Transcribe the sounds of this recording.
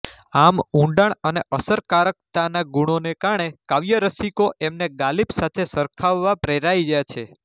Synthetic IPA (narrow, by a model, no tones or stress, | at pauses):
amũɳɖaɳəneʔəsəɾkaɾək̚t̪anaɡuɽ̃onekaɾɳekaʋjəɾəsikoʔemneɡalibsat̪ʰesəɾkʰaʋːapɾeɾaid͡ʒajt͡ʃʰe